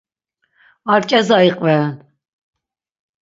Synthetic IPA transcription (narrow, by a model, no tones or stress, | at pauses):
aɾt͡ʃʼɛzaiqʼvɛn